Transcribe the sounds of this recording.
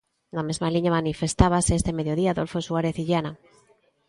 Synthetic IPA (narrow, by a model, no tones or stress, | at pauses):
namezmaliɲamanifest̪aβ̞aseest̪emeðjoðiaːðolfosuaɾeθiʎana